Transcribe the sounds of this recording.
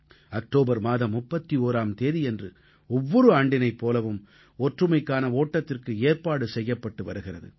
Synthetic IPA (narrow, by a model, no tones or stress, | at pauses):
ɐk̚ʈoːbɐɾmaːðɐmːʊpːɐt̪ːioːɾaːmt̪eːðiɛndrɯ | ɔʋːɔɾɯaːɳɖɪnɐɪpːoːlɐʋɯm | ɔʈrɯmɐɪkːaːnɐoːʈːɐt̪ːɪrkɯeːrpaːɽɯsɛjːɐpːɐʈːɯʋɐɾɯɣɪrɐðɯ̰